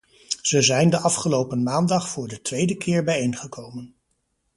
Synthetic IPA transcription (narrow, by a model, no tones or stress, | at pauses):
z̥əzɛjndəʔɑfχəlowpənmaːndɑχfʊːɹdətʋejdəkʰɪːɹbɛjejŋχəkʰowmən